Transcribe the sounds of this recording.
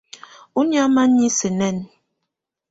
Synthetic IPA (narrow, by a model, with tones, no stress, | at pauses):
u˦n˦a˦ma˦ɲi˦se˨nɛ˦˨n